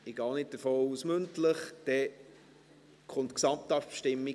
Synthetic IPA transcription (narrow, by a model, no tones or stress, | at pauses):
ɪɡ̥ɑːnɪt̚d̥əfoːusmɵntləχd̥ɛ | kʰχʊntksɑmtɑpʃtɪmːi